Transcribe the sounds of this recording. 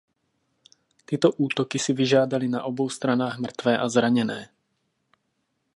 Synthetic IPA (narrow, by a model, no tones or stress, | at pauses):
t̪ɪɛt̪ɔʔuːt̪ɔkisiʋiʒɪad̪alinaʔɔbɔʊst̪ɾanaːɣmr̩t̪ʋɛːʔazɾaɲɛnɛː